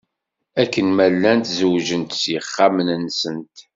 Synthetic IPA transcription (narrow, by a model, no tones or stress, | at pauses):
ækːənmælːænt̪zəwʒənt̪sjəχːamənənːsənt̪